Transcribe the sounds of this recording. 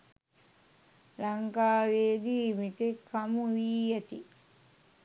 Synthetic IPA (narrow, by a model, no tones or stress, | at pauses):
lɐŋkaːʋeːd̪iːmit̪ekːɐmuʋiːjɐt̪i